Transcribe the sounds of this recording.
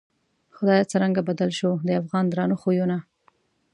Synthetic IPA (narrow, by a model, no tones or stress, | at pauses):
xʊd̪ɑjat͡səɾaŋɡabad̪alʃod̪əafɣɑnd̪ɾɑnoxojona